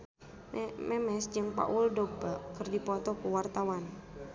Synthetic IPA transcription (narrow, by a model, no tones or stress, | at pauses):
mɛmɛsd͡ʒɨŋpa̰ʔuldobakɨrdipɔt̪ɔkuwart̪awan